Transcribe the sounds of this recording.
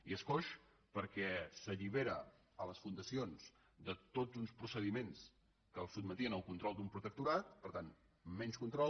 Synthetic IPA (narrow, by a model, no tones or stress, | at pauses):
iəskoʃ | pəɾkɛsəʎiβ̞eɾə | ələsfund̪əsionz | d̪ət̪od͡zunspɾusəðimens | kəlˠsud̪mət̪iənəlˠkunt̪ɾɔlˠd̪umpɾut̪ək̚t̪uɾat̪̚pəɾt̪an | mɛnskunt̪ɾɔl